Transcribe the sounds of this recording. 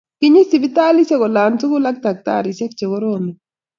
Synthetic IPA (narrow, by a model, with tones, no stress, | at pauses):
ki˦ɲi˦si˨bi˦t̪aː˦li˦sɛ˦kɔ˨laː˨ntu˦ɡu˦la˦k̚t̪a˨k̚t̪a̰ːɾisɛ˦k̚t͡ʃɛ˨ɡɔ˦ɾoːmi